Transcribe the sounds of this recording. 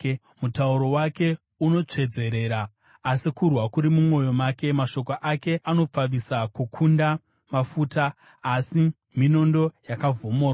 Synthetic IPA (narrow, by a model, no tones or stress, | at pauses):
mutauɾo̞wake̞ | uno̞t͡ʂe̞d͡ze̞ɾe̞ːɾaː | sikurwakuɾimumwo̞jo̞maːke̞maʃo̞k̬oʔake̞ʔano̞p͡faʋisakukʰunda | mafuːtaː | si | mino̞ndo̞jakavʱomoːro